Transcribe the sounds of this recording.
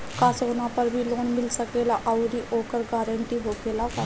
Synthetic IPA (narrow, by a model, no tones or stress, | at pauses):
kaːsoːnãpɐɾbʱiloːnmɪlsɐkeːlaʔɐʊɾiʔoːkəɾɡaːɾə̃ɳʈiɦoːkelaka